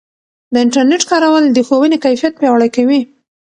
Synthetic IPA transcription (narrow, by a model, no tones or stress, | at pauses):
d̪əɪɳʈaɾneʈkɑɾawald̪əxowənekajfijat̪̚pjɑwɽajkawi